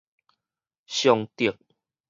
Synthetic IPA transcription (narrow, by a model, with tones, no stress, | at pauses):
ɕjɔ˨˧ŋt̪i˨˩ək̚